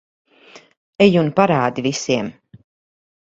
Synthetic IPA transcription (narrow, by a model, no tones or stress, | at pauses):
ɛjunpaɾaːd̪ivisiɛm